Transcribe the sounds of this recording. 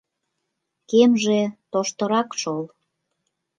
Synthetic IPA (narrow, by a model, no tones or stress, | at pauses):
kemʒet̪oʃt̪əɾɑkʃol